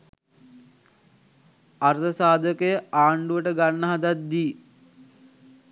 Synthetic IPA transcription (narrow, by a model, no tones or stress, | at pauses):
aɾt̪əsaːd̪əkəjəaːɳɖuʋəʈəɡanːəɦad̪at̪̚d̪iː